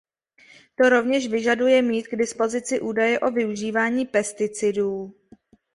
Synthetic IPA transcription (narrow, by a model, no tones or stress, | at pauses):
t̪o̞ɾo̞vɲɛʃvɪʒadujɛmiːt̪̚ɡdɪspo̞zɪt͡sɪʔuːdajɛʔo̞vɪuʒiːvaːɲiːpɛst̪ɪt͡sɪduː